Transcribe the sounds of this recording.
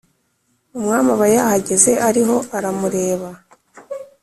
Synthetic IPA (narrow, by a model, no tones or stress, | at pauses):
umŋaːmaβajahaɟe̞ze̞ʔaɾiɦo̞aɾamuɾe̞ːβa